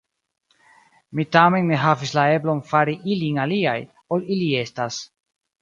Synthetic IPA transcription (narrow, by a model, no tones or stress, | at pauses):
mitame̞nːe̞ɦavislae̞blo̞nfaɾiʔilinaliaj | o̞lilie̞stas